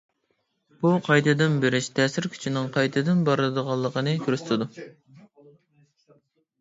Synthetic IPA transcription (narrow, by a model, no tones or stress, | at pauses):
b̥uqʰɑjt̪ʰɨd̪ɨnbeɾɪʃt̪ʰɛːsɪɾkʲʰy̥t͡ʃʰinɪŋqʰɑjt̪ʰɨd̪ɨnbɑɾlˠɨd̪əʁɑlˠːəqʰənɨkʲʰyɾst̪ʰɪd̪u